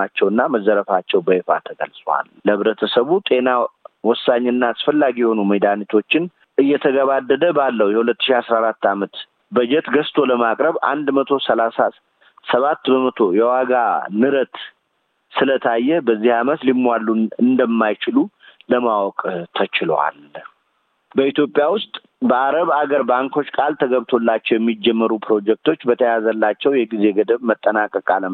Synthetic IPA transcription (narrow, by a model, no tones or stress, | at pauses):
at͡ʃːɛwɨnːaməzːəɾəfat͡ʃːɛwbəefa̰t̪ʰəɡə̰lsʼwa̰lləβɾət̪ʰəsəβut̪ʼe̞nawɔsːaɲːɨnːasfəlːaɡijɛho̞numəjd̪anit̪ʰo̞t͡ʃːɪn | ʔɨjːɛt̪ʰəɡəβad̪ːəd̪əbalːəwujɛhulət̪ːɨ̥ʃiasɾaɾat̪ːamət̪ | bəd͡ʒɛt̪ɡəst̪ʰo̞ləmakʼɾəβa̰nd̪mət̪ʰo̞səlasa | səβat̪ːbəmət̪ʰo̞jɛwaɡanɨɾət̪ | sɨlət̪ʰajːɛbəzːihamət̪limːwalːuɨnd̪əmːajt͡ʃɪlu | ləmawɔkʼt̪ʰət͡ʃɪlwa̰l | bəit̪ʰjo̞pʼːjawʊst̪ʼ | bəʔaɾəβaɡəɾbaŋko̞t͡ʃːkʼalt̪ʰəɡəβt̪ʰo̞lːat͡ʃːɛwjɛmːid͡ʒːɛmːəɾupʰɾo̞d͡ʒɛk̚t̪ʰo̞t͡ʃːbət̪ʰəjazəlːat͡ʃːɛwjɛɡize̞ɡəd̪əβmət̪ʼːənakʼːəkʼalə